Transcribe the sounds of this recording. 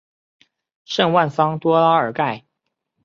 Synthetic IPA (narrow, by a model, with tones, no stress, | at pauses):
ʂə˥˧ŋwa˥˩nfɑ˥ŋt̪wɔ˥la˥ə˞˨˥ka˥˩ɪ